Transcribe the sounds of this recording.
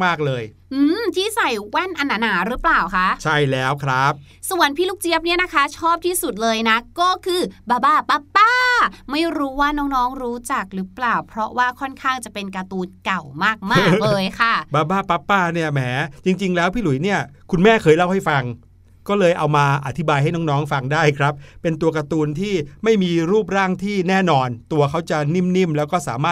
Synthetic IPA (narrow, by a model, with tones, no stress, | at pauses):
maː˥˩k̚lɤː˧j | ʔɯː˧mt̪ʰiː˥˩sa˨˩jwɛ˥˩nʔa˧nːaː˧naː˩˦ɾɯː˦˥plaː˨˩wkʰa˦˥ʔt͡ɕʰa˥˩jlɛː˦˥wkʰɾa˦˥p̚ | su˨˩ənpʰiː˥lu˦˥k̚t͡ɕi˦˥əp̚ni˥˩ɐna˦˥kʰa˦˥t͡ɕʰɔː˥˩p̚t̪ʰiː˥˩su˨˩t̪̚lɤː˧jna˦˥kɔː˥˩kʰɯː˧baː˧baː˧˩pa˦˥pːaː˥˩ma˥˩jɾuː˦˥waː˥˩nɔː˦˥ŋnɔː˦˥ŋɾuː˦˥t͡ɕa˨˩k̚ɾɯ˦˥plaː˨˩wpʰɾɔ˦˥waː˥˩kʰɔ˥˩nkʰaː˥˩ŋt͡ɕa˨˩pe˧nka˧t̪uː˧˩nka˨˩wmaː˥˩k̚maː˩k̚lɤː˧jkʰa˥˩baː˧˩baː˥˩pa˦˥pːaː˥˩ni˥˩ɐmɛː˩˦t͡ɕi˧ŋt͡ɕi˧ŋlɛː˦˥wpʰiː˥˩lu˩˦jni˥˩ɐkʰu˧nmɛː˥˩kʰɤː˧jla˥˩wha˥˩jfa˧ŋ | kɔː˥˩lɤː˧jʔa˧wmaː˧ʔa˨t̪ʰi˦˥baː˧jɦa˥˩jnɔː˦˥ŋnɔː˦˥ŋfa˧ŋdaː˥˩jkʰɾa˦˥p̚ːe˧nt̪u˧ɐka˧t̪uː˧nt̪ʰiː˥˩ma˥˩jmiː˧ɾuː˥˩p̚ɾaː˥˩ŋt̪ʰiː˥˩nɛː˥˩nɔː˧nt̪u˧ɐkʰa˦˥wt͡ɕa˨˩ni˥˩mni˥˩mlɛː˦˥wkɔː˥˩saː˩˦maː˥˩